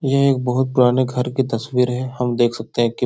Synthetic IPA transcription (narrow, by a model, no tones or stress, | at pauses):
jɐɦeːk̚bɐɦʊt̪̚pʊɾaːneɡʱɐɾkit̪ɐsʋiːɾɦɛhɐmd̪eːkʰsɐk̚t̪eɦɛ̃ki